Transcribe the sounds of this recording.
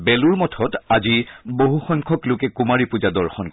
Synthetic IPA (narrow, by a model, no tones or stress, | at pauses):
bɛluɹmɔtʰɔtaziboɦuxɔŋkʰɔklʊkɛkumaɹipud͡ʒadɔɹxɔnk